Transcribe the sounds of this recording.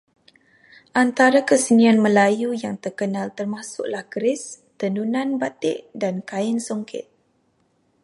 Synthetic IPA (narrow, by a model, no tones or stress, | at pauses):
ʔant̪aɾakəsənianməlajujaŋt̪ərkənalt̪ərmãsʊ̰ʔlahkəɾɪs | t̪ənunãnbat̪ɪʔdankaɪnsoŋkʰɪ̰t̪̚